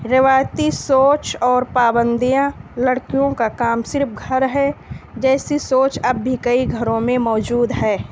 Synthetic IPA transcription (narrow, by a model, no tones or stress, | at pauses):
ɾeʋaːjt̪isoːt͡ʃɔːɾpaːbə̃nd̪ijãləɽkijõkakaːmsɪɾfɡʱɐɾɦɛd͡ʒɛːsisoːt͡ʃɐbːʱikəiɡʱɐɾõmẽmɔːd͡ʒuːd̪ɦɛː